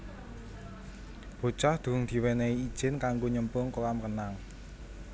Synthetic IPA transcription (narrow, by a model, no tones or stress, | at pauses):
b̥o̤̥t͡ʃɔhd̪̥ṳʊŋd̪̥i̤weneiid̥ʒ̥ɪ̤nkaŋɡoɲəmpʊŋkolamkənaŋ